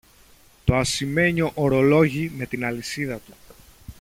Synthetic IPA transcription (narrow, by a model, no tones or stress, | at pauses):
t̪o̞ɐsime̞ɲo̞ʔoɾo̞lo̞ʝime̞t̪inɐlisiðɐt̪u̥